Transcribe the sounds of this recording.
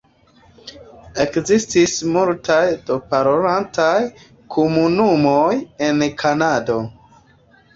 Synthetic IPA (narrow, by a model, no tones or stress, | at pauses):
e̞kzistismultajd̥o̞paɾoɾantaj | kʰomunumoje̞nkʰanado̞